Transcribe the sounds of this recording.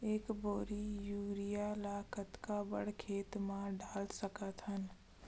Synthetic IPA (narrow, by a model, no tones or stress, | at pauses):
eːkboːɾijuːɾijalaːkət̪kabə̰ɽkʰeːt̪mãɖaːlsəkət̪ɦən